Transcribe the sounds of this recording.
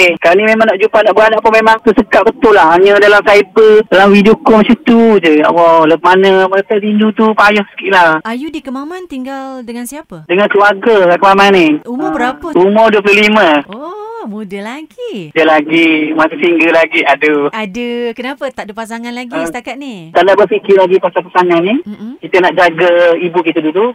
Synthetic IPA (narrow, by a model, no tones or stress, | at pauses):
ekalanimemaŋnaʔd͡ʒupanaʔbuanaʔpumemaŋt̪əsəkaʔ̚bət̪ʊlahaɲədalamsaibədalamwidiokomat͡ʃəmt̪ud͡ʒəa̰ʔwɔləb̚manəməət̪at̪iɲd͡ʒut̪upajɔhsə̥kiʔlaajudikəmamant̪iŋɡaldəŋansiapədəŋankəluaɡəakəmamaniumbəɾapəumɔduəp̬luhliməomudəlaɡidəlaɡimasəsiŋɡəlaɡiadəadəkənapət̪aʔdəpasaŋanlaɡəst̪akat̪̚nit̪alaʔbərfikɪlaɡipasapasaŋanːikit̪ənaʔd͡ʒaɡəibukit̪ədulu